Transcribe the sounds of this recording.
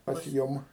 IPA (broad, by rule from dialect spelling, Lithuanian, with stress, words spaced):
pɐs ˈjʊm